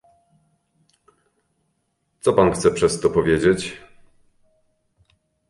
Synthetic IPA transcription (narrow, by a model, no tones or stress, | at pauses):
t̪sɔpanxt̪sɛpʂɛst̪ɔpɔvʲjed͡ʑet͡ɕ